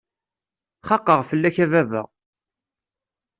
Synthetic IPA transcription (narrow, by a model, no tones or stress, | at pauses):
χɑqːəʁfəlːæçævævə̰ʁ